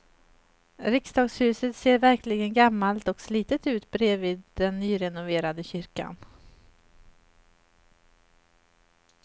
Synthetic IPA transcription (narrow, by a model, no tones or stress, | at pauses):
ɾɪksd̪ɑːɡshʉ̟ːsət̪seːɾvæɾkʰlɪɡənɡamːalt̪ɔksliːt̪ət̪ʉ̟ːt̪bɾeːvɪːd̪d̪ɛnːyːɾɛnʊveːɾad̪əɕʏɾka̰n